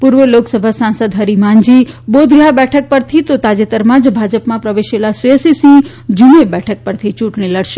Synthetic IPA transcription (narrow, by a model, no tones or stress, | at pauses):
puɾʋəloksəbʱasãnsəd̪ɦəɾimãɲd͡ʒibod̪ɡabɛʈʰək̚pəɾt̪ʰit̪ot̪ad͡ʒet̪əɾmãd͡ʒbʱad͡ʒəpmãpɾəʋeʃelasiəsisĩ | d͡ʒumebɛʈʰək̚pəɾt̪ʰit͡ʃũʈɳ̃iləɽʃe